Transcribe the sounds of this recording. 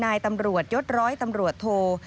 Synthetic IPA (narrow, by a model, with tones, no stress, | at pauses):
naː˧jt̪a˧mɾu˨˩ət̪̚jo˦˥t̪̚ɾɔː˦˥jt̪a˧mɾu˨˩ət̪ʰːoː˧